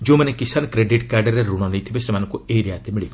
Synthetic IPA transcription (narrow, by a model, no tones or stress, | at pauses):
d͡ʒõmɐnekisaːnkɾeɖiʈkaɾɖəɾeɾuɽ̃ɔnəjt̪ʰibesemaːnɔ̃ŋkueiɾijat̪emiɭi